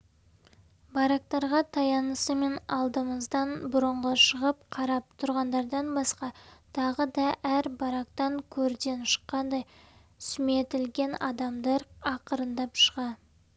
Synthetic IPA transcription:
bɑɾɑk̚t̪ɑɾʁɑt̪ʰɑjɑnəsəme̞nɑ̰lˠd̪əməzd̪ɑnbʊɾəɴʁəʃəʁəp̚qʰɑɾɑp̚t̪ʰʊɾʁɑnd̪ɑɾd̪ɑnbɑsqɑt̪ʰɑʁəd̪ɑʔæɾbɑɾɑk̚t̪ɑŋkʲʰɵɾd̪e̞nʃə̥qːɑnd̪ɑj | sʏme̞t̪ɪlɡʲe̞nɑ̰d̪ɑmd̪ɑɾɑqəɾənd̪ɑpʃəʁɑ

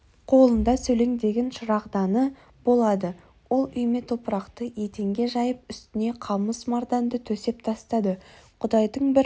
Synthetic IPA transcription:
qʰo̞lˠənd̪ɑsɵjle̞ŋd̪e̞ɡʲenʃʊɾɑqd̪ɑnə | b̥o̞lˠɑd̪ə | wo̞lˠʏjme̞t̪ʰo̞pəɾɑqt̪əje̞t̪e̞ŋɡʲe̞ʒɑjəp̚ʏst̪ɪne̞qʰɑməsmɑɾd̪ɑnd̪ət̪ʰɵse̞p̚t̪ʰɑst̪ɑd̪əqʰʊd̪ɑjd̪əɴbɪɾ

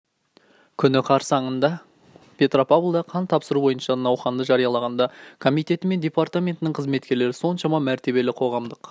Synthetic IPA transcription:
kʲʰʏnɪqʰɑɾsɑɴənd̪ɑ | pʰʲe̞t̪ro̞pavlˠd̪ɑqʰɑnt̪ʰɑpsəɾubo̞jənʃɑnɑwχɑnd̪əʒɑɾijɑlˠɑʁɑnd̪ɑkʰo̞mijt̪e̞t̪ɪme̞nd̪ʲe̞part̪amʲe̞nt̪ɪnɪŋɴqʰəzme̞t̪kʲe̞ɾle̞ɾɪso̞nʃɑmɑmæɾt̪e̞βe̞lɪqʰo̞ʁɑmd̪əq

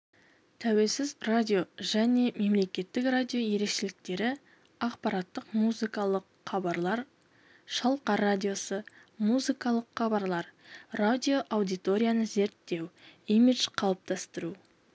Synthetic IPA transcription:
t̪ʰæwe̞lsɪzradʲio̞ʒæne̞me̞mle̞kʲe̞t̪ːɪkradʲio̞je̞ɾe̞kʃe̞lɪk̚t̪e̞ɾɪ | ɑqpɑɾɑt̪ːəqmuzɨkɑlˠəq | χɑbɑɾlˠɑɾ | ʃɑlˠqɑɾadʲijo̞səmuzikɑlˠəqχɑbɑɾlˠɑɾradʲio̞ʔawd̪ijt̪o̞ɾʲijanəze̞ɾt̪ːe̞wimid̪ʒ̥qʰɑlˠəp̚t̪ɑst̪əɾu

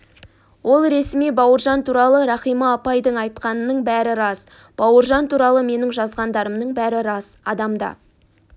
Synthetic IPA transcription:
wʔo̞lˠɾesmijbɑwəɾʒɑnt̪ʰuɾɑlˠəɾɑχijmɑːpɑjd̪əɴɑjt̪̚qɑnənəɴbæɾɪɾɑs | b̥ɑwəɾʒɑnt̪ʰuɾɑlˠəme̞nɪŋʒɑzʁɑnd̪ɑɾəmnəɴbæɾɪɾɑsɑd̪ɑmd̪ɑ̰

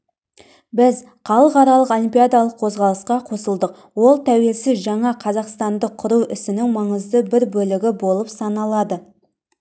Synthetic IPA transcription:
bɪz | qʰɑlˠəqɑɾɑlˠəqolʲimpʲijad̪alˠəqʰo̞zʁɑlˠəsqɑqʰo̞səlˠd̪əq | wo̞lˠt̪ʰæwe̞lsɪzʒɑɴɑqʰɑzɑqst̪ɑnd̪əqʰːʊɾuwʏsɪnɪŋmɑɴəzd̪əbɪɾbɵlɪɡʲɪbo̞lˠəpsɑnɑlˠɑd̪ə

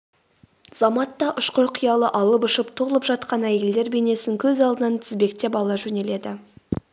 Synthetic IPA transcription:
z̥ɑmɑt̪ːɑʔʊʃqoɾqʰʊjɑlˠəʔɑlˠəpʊʃəpt̪ʰoʁlˠəpʒɑt̪̚qɑnæjeld̪e̞ɾbe̞ne̞sɪŋkʲʰɵzɑlˠd̪ənɑnt̪ʰɪzbe̞kt̪e̞pɑlˠɑʒɵne̞le̞d̪ɪ

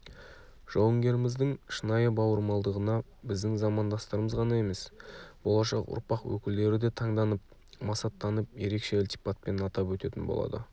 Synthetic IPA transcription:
ʒ̥ɑwəŋɡʲe̞ɾɪmɪzd̪ɪŋʃənɑjəbɑwəɾmɑlˠd̪əʁənɑ | bɪzd̪ɪŋzɑmɑnd̪ɑst̪əɾəməzʁɑnɑe̞me̞sbo̞lˠɑʃɑqʊ̰ɾpɑqwɵ̰kʲɪld̪e̞ɾɪd̪e̞t̪ʰɑɴd̪ɑnəp̚ | mɑsɑt̪ːɑnəp̚je̞ɾe̞kʃe̞ʊlʲt̪i̥pat̪̚pe̞nɑt̪ɑpwɵt̪e̞t̪ɪnbo̰ɑ̰d̪ə̰

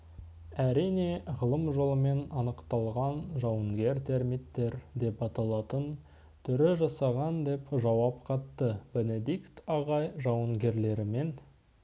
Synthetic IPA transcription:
æɾijne̞ʁəlˠəmʒo̞lˠəme̞nɑnəqt̪ɑlˠʁɑnʒɑwəŋɡʲe̞ɾt̪ʰe̞ɾmit̪ːe̞ɾd̪e̞pɑt̪ɑlˠɑt̪ən | t̪ʰʏɾɪʒɑsɑʁɑnd̪e̞pʒɑwɑp̚qʰɑt̪ːəbe̞ne̞d̪ikt̪ɑʁɑjʒɑwəŋɡʲe̞ɾle̞ɾɪme̞n

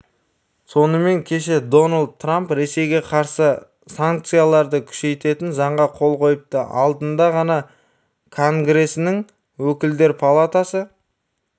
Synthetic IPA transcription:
so̞nəme̞ŋkʲʰe̞ʃe̞d̪o̞nald̪̚t̪ːrampɾe̞se̞jɡʲe̞qʰɑɾsə | saŋk̚t̪sɨjalˠɑɾd̪əkʲʰʏ̥ʃe̞jt̪e̞t̪ɪnzɑɴʁɑqʰo̞lˠqʰo̞jəp̚t̪əʔɑ̰lˠd̪ənd̪ɑʁɑnɑ | kʰo̞ŋɡɾe̞sɪnɪŋ | wɵkʲɪld̪e̞ɾpʰalˠat̪asə

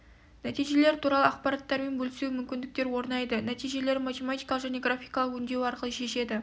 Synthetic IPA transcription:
næt̪ijʒele̞ɾt̪ʰuɾɑlˠəɑqpɑɾɑt̪ːɑɾme̞nbɵlɪsewmʏmkʲɪnd̪ɪk̚t̪e̞ɾwo̞ɾnɑjd̪ənæt̪ijʒe̞le̞ɾmat̪e̞mat̪ijkɑlˠəqʒæne̞ɡrafʲijkɑlˠəqʏnd̪e̞wɑɾqəlˠəʃe̞ʃe̞d̪ɪ

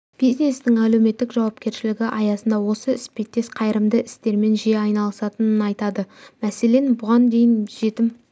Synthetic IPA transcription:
b̥izne̞st̪ɪŋæle̞wme̞t̪ːɪkʒɑwɑp̚kʲe̞ɾʃɪlɪɡʲɪʔɑjɑsənd̪ɑwo̞səɪspet̪ːe̞sqʰɑjɾəmd̪əʔɪst̪e̞ɾme̞nʒieɑjnɑlˠəsɑt̪ənənɑjt̪ɑd̪əmæse̞le̞nbʊʁɑnd̪e̞jɪnʒe̞t̪ɪm

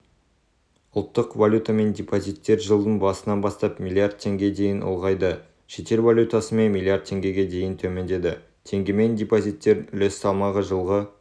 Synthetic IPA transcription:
ʊlˠt̪ːəqvalʲjut̪ame̞nd̪ʲepozijt̪ːe̞ɾʒəlˠd̪ənbɑsənɑnbɑst̪ɑpmʲilʲˠiard̪̚t̪ʰʲe̞ŋɡʲe̞d̪e̞jɪnʔʊ̰lˠʁɑjd̪ə | ʃe̞t̪e̞ɾvalʲut̪asəme̞nmʲilʲˠiard̪̚t̪ʰːe̞ŋɡʲe̞ɡʲe̞d̪e̞jɪnt̪ʰɵme̞nd̪e̞d̪ɪ | t̪ʰe̞ŋɡʲeme̞nd̪ʲepozijt̪ːe̞ɾlesːɑlˠmɑʁəʒəlˠʁə

